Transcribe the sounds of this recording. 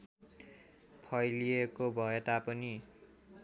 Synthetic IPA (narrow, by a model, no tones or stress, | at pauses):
pʰʌjliekobʱʌet̪apʌni